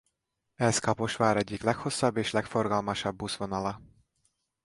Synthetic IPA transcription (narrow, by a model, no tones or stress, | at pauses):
ɛskɒpo̞ʃʋaːɾɛɟːiklɛkho̞sːɒbːeːʃlɛkfo̞rɡɒlmɒʃɒbːusvo̞nɒlɒ